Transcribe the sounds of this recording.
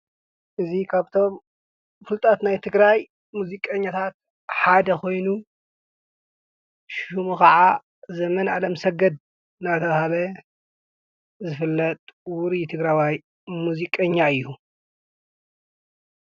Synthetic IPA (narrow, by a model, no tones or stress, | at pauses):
ʔɨzikʰaβt̪ʰo̞m | fɨlt̪ʼat̪najt̪ʰɨɡɾaj | muzikʼɐɲːat̪ʰat̪̚ | ħad̪ɐkʰo̞jnu | ʃumukɐʕa | zɐmɐnʔalɐmsɐɡɐd̪̚ | nat̪ʰɐβhaβɐ | zɨfɨlːɐt̪ʼwuɾit̪ʰɨɡɾajwaj | muzikʼɐɲːaɨjːu